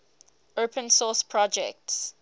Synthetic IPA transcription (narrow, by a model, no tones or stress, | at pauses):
opʰə̃nsɔspʰɹɔd͡ʒɛ̰k̚ts